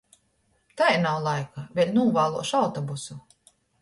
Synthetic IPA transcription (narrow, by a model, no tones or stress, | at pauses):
t̪ajnawlˠajkavʲɛlʲnuːvaːlˠuɔʃawt̪ɔbusu